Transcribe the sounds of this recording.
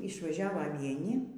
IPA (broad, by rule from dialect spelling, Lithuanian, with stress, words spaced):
ɪʃʋɐˈʒʲæːʋoː ʋʲiɛˈnʲɪ